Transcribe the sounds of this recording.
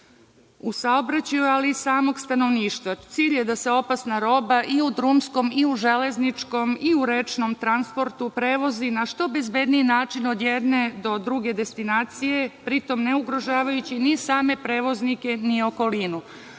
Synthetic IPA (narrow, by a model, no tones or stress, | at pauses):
usaobɾat͡ɕajualisaːmo̞ɡst̪ano̞ʋniːʃt̪ʋat̪siːʎje̞d̪ase̞o̞pasnaɾo̞baʔiud̪ɾumsko̞miuʒe̞le̞znit͡ʃko̞miuɾet͡ʃno̞mt̪ɾanspo̞ɾt̪upɾe̞ːʋo̞zinaʃt̪o̞be̞zbe̞d̪nijinaːt͡ʃino̞d̪jed̪ne̞d̪o̞d̪ɾuɡe̞d̪e̞st̪inaːt̪sije̞pɾit̪o̞mne̞uɡɾo̞ʒaːʋajut͡ɕinisaːme̞pɾe̞ːʋo̞znike̞nio̞ko̞linu